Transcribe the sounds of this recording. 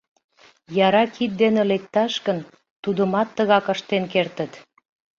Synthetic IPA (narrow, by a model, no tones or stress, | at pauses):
jɑɾɑkʰit̪̚d̪enelek̚t̪ɑʃkən | t̪ud̪ə̆mɑt̪ːəɣɑkəʃt̪enkert̪ə̆t̪